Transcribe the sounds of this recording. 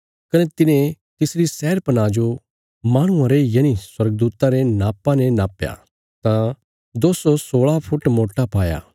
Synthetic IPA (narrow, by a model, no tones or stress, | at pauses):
kɐnɛt̪ɪnẽ | t̪ɪsɾisɛːɾpɐnaːd͡ʒo | maːɽ̃ʊ̃ãɾejɐniswɐɾɡ̚d̪uːt̪aɾenaːpãnɛnaːpja̰ | t̪ã | d̪oːsosoːɭapʰʊʈmoːʈːapaːja̰ː